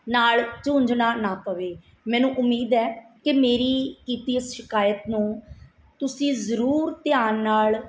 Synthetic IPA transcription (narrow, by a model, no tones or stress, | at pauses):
naːɭt͡ʃõːɲd͡ʒnaːnaːpəʋeː | mɛ̃ːnũːʔʊmːiːd̪ɛːkɪmeːɾiːkiːt̪iːɪsʃɪkaːjət̪nũː | t̪ʊsĩːzəɾuːɾt̪ɪjaːnːaːɭ